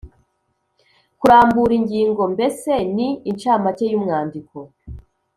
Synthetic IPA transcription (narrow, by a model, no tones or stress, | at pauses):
kuɾaːmbuɾiɲɟiːŋɡo̞mbe̞se̞niːnt͡ʃaːmatejumŋaːndiko̞